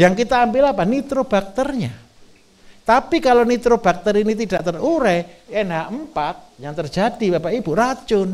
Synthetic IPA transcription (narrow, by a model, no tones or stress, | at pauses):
jaŋkit̪aːmbilapanit̪ɾob̥ak̚t̪ərɲa | t̪apikalonit̪ɾob̥ak̚t̪əɾinit̪id̥aʔt̪əruɾɛenaʔmpat̪̚jaŋt̪ər̥d͡ʒ̥ad̥ibapaʔib̥urat͡ʃʊn